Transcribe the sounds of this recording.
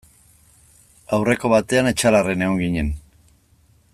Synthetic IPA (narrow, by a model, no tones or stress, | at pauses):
awre̞ko̞βat̪e̞ane̞t͡ʃalare̞neɣo̞ŋɡiɲe̞n